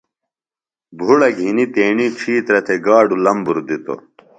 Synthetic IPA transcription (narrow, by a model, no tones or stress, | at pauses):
bʱuɽɐɡʱinit̪eːɳiʈ͡ʂʰiːt̪ɾɐt̪ʰeɡaːɖulɐmbuɾd̪it̪o̰